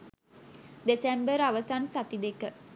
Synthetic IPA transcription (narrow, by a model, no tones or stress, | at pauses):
d̪esembəɾaʋəsansat̪id̪ekə